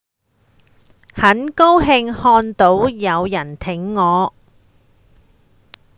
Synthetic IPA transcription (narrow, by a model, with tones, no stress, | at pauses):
hɐ˨˥nko˥wɦɪ˧ŋhɔː˧nt̪o˨˥wjɐ˨˧wjɐ˨˩nt̪ʰɪ˨˥ŋːɔː˨˧